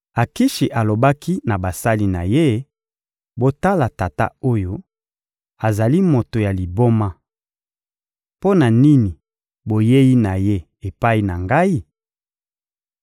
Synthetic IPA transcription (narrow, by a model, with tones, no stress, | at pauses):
a˨ki˦ʃi˨ʔa˨lo˨ba˦ki˦na˨ba˨sa˦li˦na̰˨je˦ | bo˦ta˦la˨ta˨ta̰˦o˦jo˦ | a˨za˨li˦mo˨to˨ja˨li˨bo˦ma˦ | po˦na˨ni˦ni˨ | bo˨je˦ji˦na˨je˦ | e˨pa˦i˦na˨ŋɡa˦i˦